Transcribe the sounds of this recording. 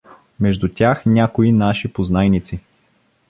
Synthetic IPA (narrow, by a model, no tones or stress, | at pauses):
mɛʒd̪ut̪ʲjaxnʲakoinaʃipoznajnit̪si